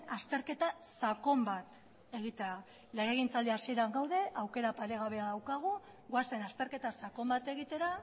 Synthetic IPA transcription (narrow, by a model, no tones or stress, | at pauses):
ast̪e̞ɾke̞t̪asako̞mbat̪ | e̞ɣit̪e̞a | lejeɣint͡sald̪iasie̞ɾaŋɡawðe̞ʔawke̞ɾapaɾe̞ɣ̞aβe̞aðawkaɣ̞u | ɣoasenast̪e̞ɾke̞t̪asako̞mbat̪e̞ɣit̪e̞ɾa